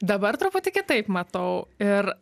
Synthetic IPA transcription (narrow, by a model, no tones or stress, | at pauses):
d̪ɐbɐɾt̪ɾʊpʊt̪ʲɪkʲɪt̪ɐɪpmɐt̪ɐʊɪɾ